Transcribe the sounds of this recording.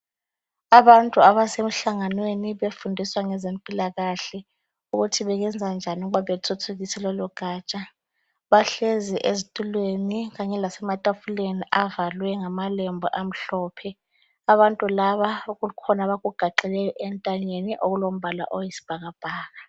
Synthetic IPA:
aβantʼuaβasem̩ɬaŋanweniɓefundʱiswaŋɛzempʼilaɣaɬɛ | uɣutʰiβɛɣ̬ɛnd͡zʱand͡ʒʱanuɣuβaɓetʰutʰuɣ̬isɛlɔluɡ̥ʱaːt͡ʃʼa | ɓaɬeziʔezitʼulweniɣ̬aɲɛlasɛmatʼafuleniʔavalwɛŋamalɛmbʱɔ̰ʔam̩ɬɔːpʰɛ | aβantʼulaβaukulikʰɔnaβaɣuɡ̥ʱaǃɛlɛjɔʔɛntʼaɲeniʔoɣulom̩bʱala̰ʔojisi̥b̥ʱaɣab̥ʱaːɣa

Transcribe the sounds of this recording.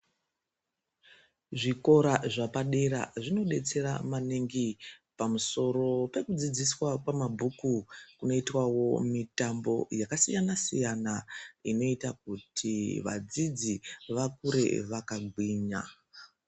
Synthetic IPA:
ʐiko̞ɾaʐapaɗeɾa̰ʐino̞ɗe̞t͡se̞ɾa̰maneŋɡipamuso̞ɾo̞pe̞kud͡zid͡ziswakwamabʱukukuno̞itwawo̞mitambo̞jakasijanasijanaino̞itak̚utʰiʋa̰d͡zid͡ziʋakuɾe̞̰ʋakaɡʱwiːɲa̰

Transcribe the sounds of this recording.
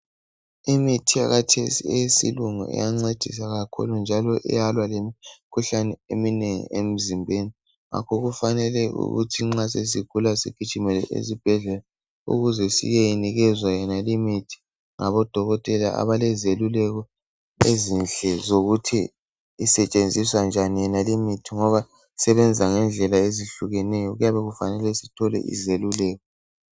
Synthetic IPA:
imitʰijaɣatʰesḭɛisḭluŋṵʔɛ̰jaŋ͡ǀed̥ʱis̬aɣakʰṵlund͡ʒʱalɔʔɛ̰jalwalemikʰuɬanɛemineŋḭem̩zimbʱeni | ŋʔa̰kʰɔɣufanɛlɛʔṵɣṵtʰiŋ͡ǁas̬es̬iɡ̥ʱulasḭɡ̥ʱid̥ʒ̥ʱimɛlɛ̰ʔḛzib̥ʱɛɮɛla | ṵɣuzɛsḭjejiniɣɛzwajɛnalimitʰi̥ | ŋa̰βɔd̥ʱɔɣɔtʼɛlaa̰βalɛzelulɛɣɔ | ezinɬɛzoɣutʰiː | sɛt͡ʃʼend͡zʱiswand͡ʒʱanijɛnalimitʰiŋɔβa | sɛβɛnd͡zʱaŋɛnd͡ɮʱɛlaeziɬuɣɛnɛjɔɣujaβɛɣufanɛlɛsitʰɔlɛ̰ʔḭzelulɛːɣɔ

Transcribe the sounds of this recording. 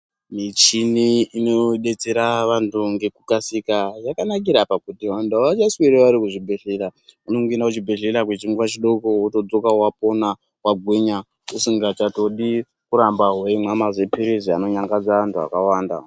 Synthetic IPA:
mit͡ʃiniino̞ɗe̞t͡se̞ɾaʋantuŋɡe̞kukasikajakanak̬iɾapakutiwandaat͡ʃasweɾeʋaɾikuʐibʱeɮeɾaunoŋɡenakut͡ʃibʱeɮeɾakwet͡ʃiŋɡuwat͡ʃiɗo̞kowoto̞d͡zo̞kawapo̞na | waɡʱweɲa | usiŋɡat͡ʃato̞ɗi | kuɾambaɦweimwamazepiɾiziano̞ɲaŋɡad͡zaʋantʰua̰kawaːnda̰

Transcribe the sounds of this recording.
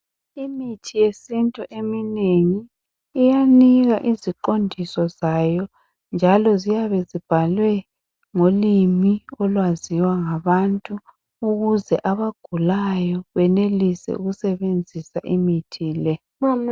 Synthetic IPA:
imitʰijesintʼuʔemineŋiː | janiɣaʔiziǃondʱisɔzajɔ | nd͡ʒʱalɔzijaβɛzib̥ʱalwɛ | ŋolimiɔlwaziwaŋaβantʼuː | ɣuzɛʔaβaɡ̥ʱulajɔβɛnelisɛ̰ṵɣusɛβend͡zʱisaʔimitʰiːlɛ

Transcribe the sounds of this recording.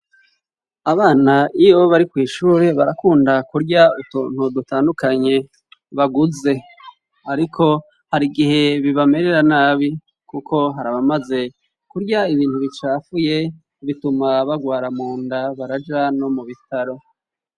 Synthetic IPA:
aβaːnaʔijoβaɾikwiːʃuːɾe̞βaɾakuːndakuɾɟautuːn̥hudutaːndukaɲe̞ | βaɡuze̞ | aɾikʰo̞ | haɾiɡihe̞βiβame̞ɾe̞ɾanaːβi | kukʰo̞ɦaɾaβamaze̞ | kuɾɟaiβiːnhuβit͡ʃaːfuje̞ | βitumaβaɡwaːɾamuːndaβaɾad͡ʒano̞muβitaɾo̞

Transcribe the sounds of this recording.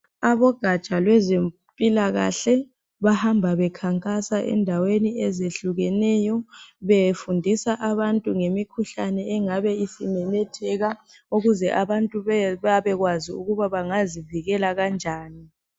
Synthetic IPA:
aβɔɡ̥ʱat͡ʃʼalwɛzem | pʼilaɣa̰ɬɛ | βahambʱaβɛkʰaŋkʼasaʔɛ̰ndʱaweniɛzeɬuɣɛnɛjɔβefundʱisaʔaβantʼuŋemikʰuɬanɛɛŋaβɛisimɛnɛtʰɛɣa | uɣuzɛʔaβantʼuβaβɛɣwaziṵɣuβaβaŋaziviɣɛlaɣand͡ʒʱaːni

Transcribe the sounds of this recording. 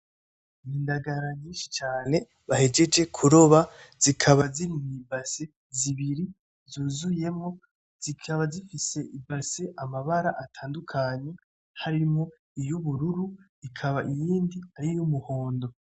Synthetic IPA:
iːndaɡaɾaɲiːnʃi̥t͡ʃaːne̞ | βahe̞d͡ʒe̞d͡ʒe̞kʰuɾo̞βaz̥ikʰaβaziɾimibase | ziβiɾi | zuːzuje̞mŋo̞ | z̥ikʰaβazifise̞ʔibase̞ʔamaβaɾaʔatʰaːndukʰaɲe̞ | haɾimŋo̞ | ijuβuɾuɾu | ikʰaβaʔijiːndihaɾijumuho̞ːndo̞

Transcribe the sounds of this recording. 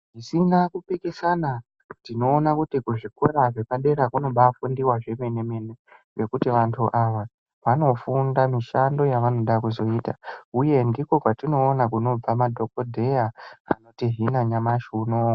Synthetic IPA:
isinakupikesana | tino̞ːnakutikuʐikoɾaʐe̞kaɗe̞ɾakuno̞ɓafundiwaʐe̞me̞ne̞me̞ne̞ʋe̞kutiʋantʰuʔaʋa | ʋano̞fundamiʃando̞jaʋano̞ɗakuzo̞itauje̞ndiko̞kwatino̞ːnakuno̞b͡vamadʱo̞kodʱe̞jaa̰no̞tiɦinaɲamaʃuno

